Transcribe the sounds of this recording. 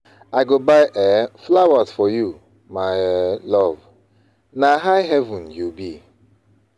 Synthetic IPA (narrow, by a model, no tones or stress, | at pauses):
aɪɡobaɪʔɛflawazfɔju | maɪlɔv | naɦaɪɦɛvũnjubi